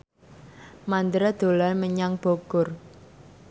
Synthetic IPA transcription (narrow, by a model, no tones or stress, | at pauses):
mand̪əɾad̪̥o̤lalməɲaŋb̥oɡ̥ʊr